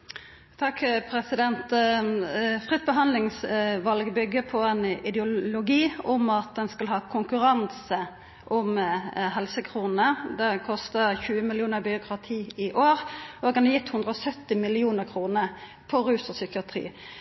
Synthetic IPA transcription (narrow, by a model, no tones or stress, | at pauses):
t̪ʰɑkːpʰɾɛsɪd̪ɛnt̪ | fʁɪt̪̚ːbəɦɑnlɪŋsʋɑlɡəbʏɡːəpʰɔɛnɪd̪jʊlʊɡiːʊmɑt̪̚d̪ɛnskɑlɦɑːkʰʊŋkʉɾɑnsə | ʔɔmɦɛlsəkʰʁuːnəd̪ɛkʰɔst̪əçʉːəmɪlɪuːnəbɪʊkʰɾɑt̪ʰiːɪʔoːʁʔoɡɑnɑjɪt̪ːhʉnd̪ɾəɔsœt̪ːɪmɪlɪuːnəɾkʰʁuːnə | pʰɔɾʉːsɔsʏkɪɑt̪ʰʁḭː